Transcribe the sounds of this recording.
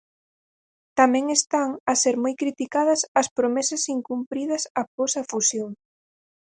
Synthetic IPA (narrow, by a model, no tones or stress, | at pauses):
t̪amɛ̃ŋest̪aŋɐseɾmojkɾit̪ikaðɐsɐspɾomɛsɐsiŋkumpɾið̞ɐsaposɐfusjoŋ